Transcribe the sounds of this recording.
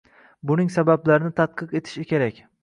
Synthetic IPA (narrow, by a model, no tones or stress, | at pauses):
bʊnɪŋsabablaɾɪnɪt̪ʰat̪̚qɨqe̞t̪ʰɪ̥ʃɪkʲʰe̞ɾakʲ